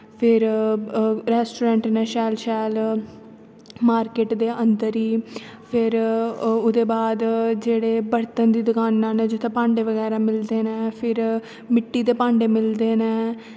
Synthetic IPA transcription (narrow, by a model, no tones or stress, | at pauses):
pʰɪɾ | ɾɛːsʈuːɾɛ̃ːɳʈnɛ̃ːʃɛːlʃɛːl | maːɾkeːʈd̪eːʔənd̪əɾiː | pʰɪɾʊd̪eːbaːd̪d͡ʒeːɽeːbəɾt̪ənd̪iːd̪ʊkaːnːãːnẽːd͡ʒʊt̪ʰẽpãːɳɖeːʋəɣɛːɾaːmɪld̪eːnɛ̃ːpʰɪɾ | mɪʈːiːd̪eːpãːɳɖeːmɪld̪eːnɛ̃ː